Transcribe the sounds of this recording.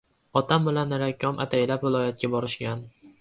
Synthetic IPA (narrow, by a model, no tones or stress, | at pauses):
ɒt̪ʰambɪlanːɾakʲʰːɒmʔa̰t̪ʰajlapvɪlˠɒjat̪̚kʲabɒɾɪʃkʲan